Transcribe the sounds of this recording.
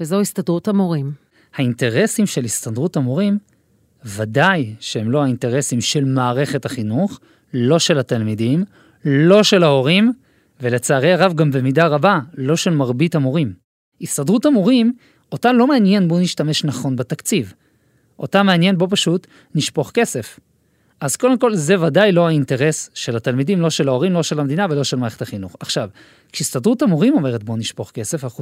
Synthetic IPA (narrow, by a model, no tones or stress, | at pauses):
vezoistadʁutamoʁim | hainte̞ʁe̞simʃe̞listadʁutamoʁim | vadajʃehemlo̞ainte̞ʁe̞simʃe̞lmaːʁe̞χe̞thaχinuχ | lo̞ʃe̞lhatalmidim | lo̞ʃe̞lao̞ʁim | vele̞t͡saːʁejaʁavɡambemidaʁabalo̞ʃe̞lmaʁbitamoʁim | istadʁutamoʁim | o̞talo̞meanje̞nboniʃtame̞ʃnaχo̞nbetakt͡siv | ʔo̞tame̞anje̞nbo̞p̬aʃut | niʃpo̞χke̞se̞f | azkode̞mko̞lze̞vadajloainte̞ʁe̞sʃe̞latalmidimlo̞ʃe̞lao̞ʁimlo̞ʃe̞lamed̪inave̞lo̞ʃelmaːeetaχinuχaχʃav | kʃiistadʁutamoʁimo̞me̞ʁet̚boniʃpo̞χke̞se̞faχu